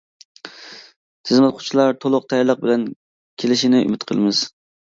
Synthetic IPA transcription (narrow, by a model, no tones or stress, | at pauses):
t̪ʰɨzmɛt̪̚qʰʊ̥t͡ʃʰilˠɑɾt̪ʰolˠʊq̚t̪ʰɛjɑɾlˠəq̚bɪlɛn | kʲʰelɪʃinɪy̰mɪt̪qʰə̰lˠɨmɪz̥